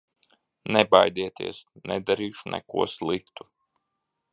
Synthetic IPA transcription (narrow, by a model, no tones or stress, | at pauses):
nɛbajd̪iɛt̪ḭɛsnɛd̪aɾiːʃunʔɛ̰kṵɔslˠikt̪u